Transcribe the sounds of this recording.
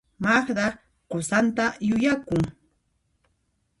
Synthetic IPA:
maχd̪a | qosant̪ajʊjakʊŋ

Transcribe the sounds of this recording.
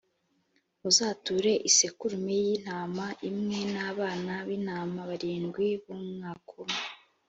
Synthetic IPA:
uzaːtuɾe̞ʔisekuɾumejin̥aːmaʔimŋe̞naβaːnaβiːn̥aːmaβaɾiːŋɡwiβumŋaːkʰome

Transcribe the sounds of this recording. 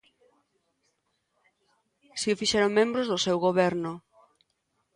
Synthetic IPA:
siofiʃɛɾoŋmẽmbɾʊzðʊsewɣoβɛɾnʊ

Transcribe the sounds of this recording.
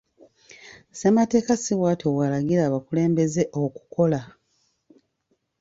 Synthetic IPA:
se̞mate̞ːkasiβwaːtʰowalaɡiɾaːβakule̞ːmbe̞ze̞ʔo̞ku̥ko̞la

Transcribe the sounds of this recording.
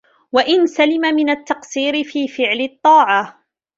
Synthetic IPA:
waʔɪnsalɪmamɪnat̪ːɑqsiːɾɪfiːfɪʕlɪt̪ˤːɑːʕɑ

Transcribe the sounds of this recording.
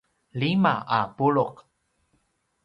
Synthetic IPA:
limaapuɭʊq

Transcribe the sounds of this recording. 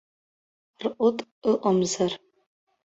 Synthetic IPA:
rʔʷʊtʼɨʔʷʊmzar

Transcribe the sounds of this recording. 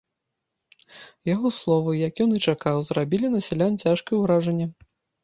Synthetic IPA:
jaɣɔslˠɔvɨjakʲjɔnɨt͡ʂakawzɾabʲilʲinɐsʲɛlʲant͡sʲaʂkɐjwɾaʐɐnʲːɛ

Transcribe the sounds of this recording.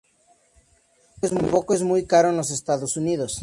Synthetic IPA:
ezmujpokoezmujkaɾoenos̬est̪aðosuniðos

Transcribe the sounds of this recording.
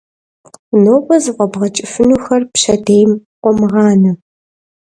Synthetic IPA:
noːpʷʼɔzɨqʷʼɔbʁɐt͡ʃʼɪfɨnuːxɐrpɕɐdeːjmqʷɔmɨʁɑːnɨ

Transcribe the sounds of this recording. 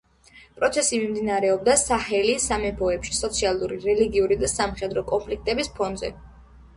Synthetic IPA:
pʼɾɔt̪sʰɛsimimd̪inaɾɛɔbd̪asahɛlisamɛpʰɔɛpʃi̥sɔt̪sʰialˠuɾiɾɛliɡiuɾid̪asamχɛd̪ɾɔkʼɔnpʰlik̚ʰt̪ʼɛbispʰɔnd̪zɛ̰

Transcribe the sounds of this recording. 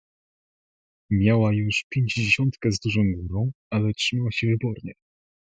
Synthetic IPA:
mʲjawajuʂpʲjeɲd͡ʑd͡ʑeɕɔnt̪kɛzd̪uʐɔ̃w̃ɡuɾɔ̃w̃ | alɛtʂɘmawaɕɛvɘbɔɾɲɛ

